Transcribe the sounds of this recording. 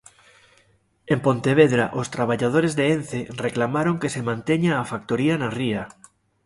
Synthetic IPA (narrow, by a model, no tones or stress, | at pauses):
empont̪eβ̞eðɾaʔost̪ɾaβ̞aʎað̞oɾezðeenθereklamaɾoŋkesemãnt̪eɲaːfak̚t̪oɾianaria